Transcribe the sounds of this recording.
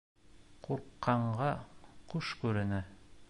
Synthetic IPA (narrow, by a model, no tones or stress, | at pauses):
quɾqːɑɴɢɑqʉʃkʉɾɘ̆nɘ